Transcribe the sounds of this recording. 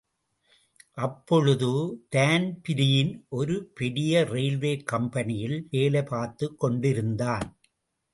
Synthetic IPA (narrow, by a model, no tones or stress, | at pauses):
ʔɐpːɔɻɯðɯt̪aːnpɪɾɪjɪnʔɔɾɯpɛɽɪjɐɾeɪlʋeːkɐmpɐnɪjɪlʋeːlɐpaːɾt̪ːɯkːɔɳɖɪɾɯnd̪aːn